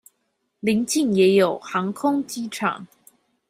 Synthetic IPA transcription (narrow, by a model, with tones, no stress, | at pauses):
li˧˥ŋt͡ɕi˥˩ŋjɛ˧˥jo˨˩ʊxɑ˧˥ŋkʰʊ˥ŋt͡ɕi˥ʈ͡ʂʰɑ̰˨˩˦ŋ